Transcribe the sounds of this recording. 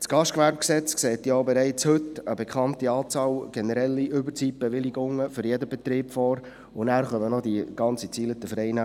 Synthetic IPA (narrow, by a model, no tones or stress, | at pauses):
t͡sɡ̥ɑʃtkʋæɾp̚ksɛt͡skseːt̪jɔobɛɾɛɪt͡shɵt̪əbɛkʰχɑntiɑːt͡sɑːlɡ̥ɛnəɾɛlːiʔʏbərt͡siːp̚b̥ɛʋɪliɡʊŋːəfʏɾjɛdəbɛt̪ɾiːpfɔːɾ | ʊnæːɾχœmənɔd̪iɡ̥ɑnt͡sit͡siːlət̪əfəɾɛɪnæ